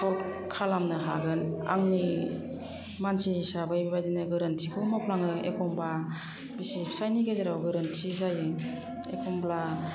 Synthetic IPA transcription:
sɔlkʰalamnɯɦa̰ɡɯna̰ŋni | mansisabajbibajdinɯɡɯɾɯntʰikʰɔmapʰlaŋɯḛkʰɔmba | bisisajniɡezaɾawɡɯɾɯntʰizajɯ | ekʰɔmbla

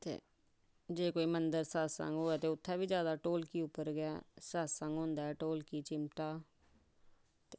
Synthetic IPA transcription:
t̪ḛː | d͡ʒeːkoːiːmənd̪əɾsaːsə̰̃ŋɡɦoːɛːt̪eːʊt̪ʰːaːbiːd͡ʒjaːd̪aːʈoːlkiːʊpːəɾɡɪaːsaːsə̃ŋɡɦʊ̃nd̪aːɛːʈoːlkiːt͡ʃɪmʈaː | t̪e

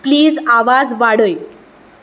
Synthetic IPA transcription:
pliːd͡zaʋad͡zʋaɽəj

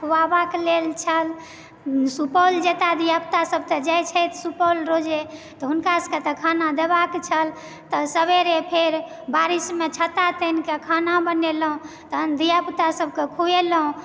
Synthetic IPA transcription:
kʰuwabaklelt͡ʃʰəl | supəld͡ʒet̪ad̪ijapt̪asəb̚ʱt̪ed͡ʒajt͡ʃʰəjt̪supɔlɾod͡ʒet̪ɔɦunkasə̥ket̪əkʰanad̪ebakt͡ʃʰəl | t̪ɔsəbeɾepʰeɾ | baɾismet͡ʃʰət̪at̪ənkekʰanabəneləɦũ | t̪əd̪ijapt̪asəb̚kekʰuelɦũ

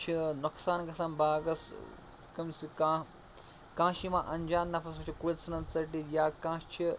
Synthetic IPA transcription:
t͡ʃʰinuksaːnkɐsɐnbaːɡɐs | kɐmt͡sʰikã | kãːʃimãːʔɐnd͡ʒaːnːɐfʰɐsɐt͡ʃʰikulʲt͡sʰɐnɐt͡sɐʈijaːkãːʃt͡ʃʰi

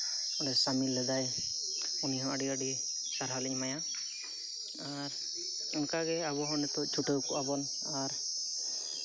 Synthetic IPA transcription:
ɔlɛsamilɛd̪aj | uniɦɔ̃aɖiaɖi | saɾɦalɛɲmaja | a | ɾ | ɔŋkaɡɛaβɔɦɔnɛt̪ɔt͡ʃʰuʈɔwkuabɔn | aɾ

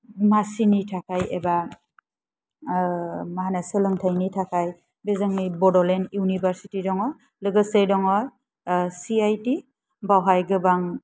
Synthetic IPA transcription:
masinitʰakʰajeba | maɦanasɯlɯŋtʰajnitʰakʰaj | bezɯŋnibɔdɔlenjunibaɾsitidɔŋɔ | lɯɡɯsejdɔŋɔ | siajti | bawɦajɡɯbaŋ

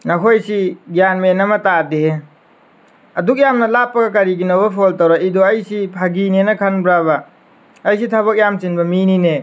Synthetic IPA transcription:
nɐkʰojsiɡjanmenɐmɐtade | ɐduk̬̚jamnɐlapːɐɡɐk̬ɐɾiɡinobɐpʰoltɐwɾaidoɐjsipʰaɡinenɐkʰɐnbɾaβɐː | js̬itʰɐβɐk̚jamsinbɐminine

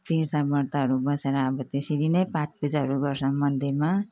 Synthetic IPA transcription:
t̪iɾt̪ʰabʌɾt̪aɦʌɾubʌseɾʌːbʌt̪esid̪inʌjpãt͡sʰbʌd͡zaɦʌɾuɡʌrsamʌd̪ʱema

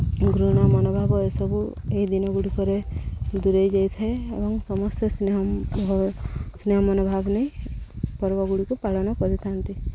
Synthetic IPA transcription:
ɡɾuɽ̃amɔnɔbʱabɔesɔbu | eɦid̪inɔɡuɽikɔɾed̪uɾejd͡ʒajt̪ʰaeḛbɔŋsɔmɔst̪eseɦ | sneɦɔmɔnɔbʱabneipɔɾbɔɡuɽikupaɭɔnɔkɔɾit̪ʰant̪i

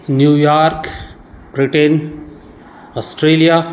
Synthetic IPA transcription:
njuːjaɾk | bɾiʈen | ɔsʈɾeːlija

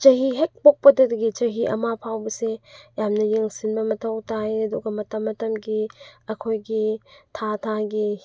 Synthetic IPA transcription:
t͡ʃɐɦiɦek̚pok̚pɐdɐdɐɡit͡ʃɐɦiʔɐ̰mapʰawbɐsejamnɐjeŋsinbɐmɐtʰɐwtʰajɐduɡɐmɐtɐmːɐtɐmɡiɐkʰojɡitʰatʰaɡi

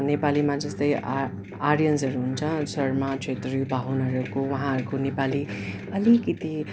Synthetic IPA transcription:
nepalimãd͡zʌst̪ʌj | aɾijʌnsɦʌɾuɦunt͡sʰʌ̃sʌrmat͡sʰet̪ribʱaɦunʌɾukowaɦãʌɾukonepali | ʌlikʌt̪i

